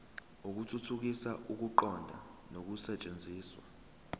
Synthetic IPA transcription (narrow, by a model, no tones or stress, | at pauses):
uk̬utʰutʰuk̬isaʔuk̬uǃɔndʱa̰nok̬usɛt͡ʃʼend͡zʱiːswa